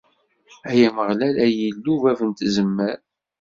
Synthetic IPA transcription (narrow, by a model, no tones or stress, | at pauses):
æjæməʁlælæjəlːuvævənt̪zəmːəɾ